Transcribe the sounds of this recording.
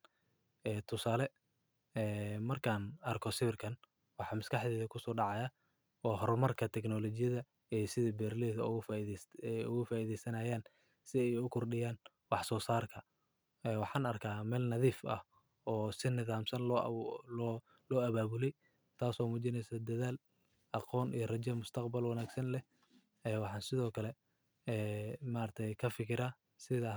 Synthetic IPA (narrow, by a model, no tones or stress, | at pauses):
ɛːt̪ʰʊsaːlɛ | ɛːmɐrkʰaːnɐrkʰɔsɪβɪrkʰɐn | wɑħɑːmɐskʰɑħðɛːðɐkʰʊsɔːɖɑʕɑja | ɔːɦɔɾmɐrkʰɐt̪ʰɛknɔlɔt͡ʃɪjɐðɐ | ɛjsɪðɐbɛːrlɛːðɐʊɣ | ʊɣʊfaːiːðɛjsɐnaːjaːn | sɪɛjʊkʰʊrɖɪjaːn | wɑħsɔːsaːrkʰɐ | ɛːwɑħɑːnɐrkʰaːmɛːlnɐðiːfɐ̰h | ɔːsɪnɪðaːmsɐn | ɔ | lɔːɐβaːβʊlɛj | t̪ʰaːsɔːmuːt͡ʃɪnɛjsɐd̪ɐðaːl | ʔɑqɔːnʔḭjɐrɐt͡ʃɐmʊst̪ʰɐqbɐlwɑnaːɡsɐnlɛ | ɛːwɑħɑːnsɪðɔːkʰɐlɛ | ɛːmaːrt̪ʰɛjkʰɐfɪkʰɪɾaː | sɪðɐ